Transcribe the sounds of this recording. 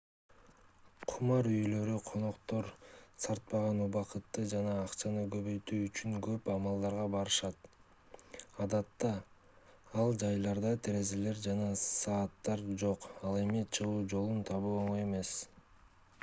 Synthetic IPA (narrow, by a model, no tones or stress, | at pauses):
qʰumɑɾyjlø̞ɾyqʰo̞no̞qt̪o̞ɾsɑɾt̪̚pɑʁɑnuβɑqɯt̪ːɯd͡ʒɑnɑːqt͡ʃɑnɯɡø̞βø̞jt̪yːt͡ʃyŋɡøpɑmɑlˠd̪ɑɾʁɑbɑɾɯʃɑt̪ | ɑd̪ɑt̪ːɑ | ɑlˠd͡ʒɑjlˠɑɾd̪ɑt̪ʰeɾe̞zele̞ɾd͡ʒɑnɑsɑːt̪ːɑɾd͡ʒo̞qɑlˠe̞mit͡ʃʰɯʁuːd͡ʒo̞lˠunt̪ʰɑβuoɴoje̞me̞s